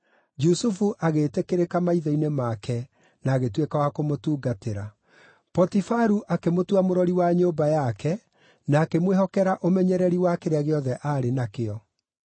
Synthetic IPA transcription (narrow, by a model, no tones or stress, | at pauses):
d͡ʒusufuʔaɣetekeɾekamaiðɔinemakɛ | naːɣetwekawakomotuːɡateɾa | pɔtifaɾuʔakemotuamoɾɔɾiwaɲoːbajakɛ | naːkemweɦɔkɛɾaʔomɛɲɛɾɛɾiwakeɾeaɣeɔðɛʔaːɾenakeɔ